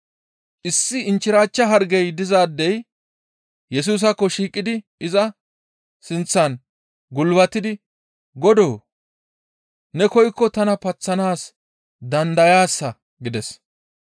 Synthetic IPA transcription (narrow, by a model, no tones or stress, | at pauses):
ʔɪsːɪɪnt͡ʃːɪɾaːt͡ʃːɐɦɐɾɡɛjd̪ɪzaːd̪ːɛj | jɛs̬uːs̬ɐkːɔʃiːkʼːɪd̪ɪ | ɪzɐ | sɪnt͡sːɐn | ɡʊlbɐt̪ːɪd̪ɪ | ɡɔd̪oː | nɛkɔjkːɔt̪ɐnɐpɐt͡sːɐnaːs | d̪ɐnd̪ɐjaːsːɐ | ɡɪd̪ɛs